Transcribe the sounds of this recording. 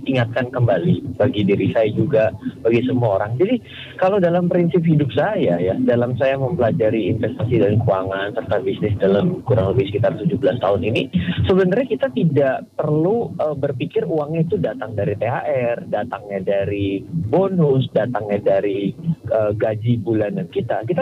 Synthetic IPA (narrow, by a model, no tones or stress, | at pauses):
iŋat̪̚kankəmbalibaɡidiɾisajad͡ʒuɡab̥aɡisəmuaoɾaŋd͡ʒadi | kaladalampɾinsɪp̚ɦidʊp̚sajajadalamsajaməmpəlad͡ʒaɾiːnfɛst̪asidankuaŋansərt̪abisnɪsdalamkuɾaŋləbɪhsə̥kit̪art̪ud͡ʒubəlast̪a̰ɦʊninisəbənarɲakit̪at̪idaʔpərluʔəbərpikɪruaŋɲait̪udat̪aŋdaɾit̪eaʔɛrdat̪aŋɲadaɾibonʊsdat̪aŋɲadaɾiʔəɡad͡ʒibulandankit̪akit̪a